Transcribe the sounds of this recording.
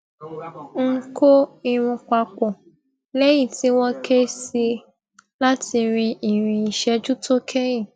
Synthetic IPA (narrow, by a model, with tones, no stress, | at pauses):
ŋ̩˦ko˦i˦˨ɾ̃ũ˧k͡pa˧k͡pɔ˨ | lɛ˦ji˦˨ti˨˦w̃ɔ̃˦kʰe˦si˧ | la˦tʰi˧ɾ̃ĩ˧ʔi˨ɾ̃ĩ˧i˨ʃɛ˧˦d͡ʒu˦to˦kʰɛ˦jĩ˦˨